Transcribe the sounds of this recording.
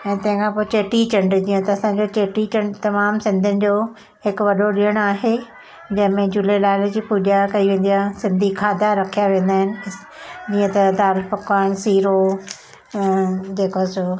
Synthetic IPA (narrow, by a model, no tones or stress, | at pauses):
ɛ̃ːt̪ɐ̃ɦɪ̃ŋkʰãːpoːɪt͡ɕeːʈit͡ɕɐ̃ɳɖd͡ʑiːə̃t̪ɐɐsãɲd͡ʑot͡ɕeːʈit͡ɕɐ̃ɳɖt̪ɐmaːmsɪ̃nd̪ʱɪənɪ̆d͡ʑoː | hɪkʊʋɐɗoɗiəɽ̃aːɦe | d͡ʑɐ̃ɦɪ̃mẽd͡ʑʊlelaːɪld͡ʑiːpuːʄakɐiʋẽːn̆d̪ijasɪ̃nd̪ʱikʰaːd̪ʱaɾɐkʰijaʋẽːn̆d̪aːɦɪnɪ̆ | d͡ʑiːə̃t̪ɐd̪aːlpɐkaːñsiːɾo | d͡ʑeːkoaːsoː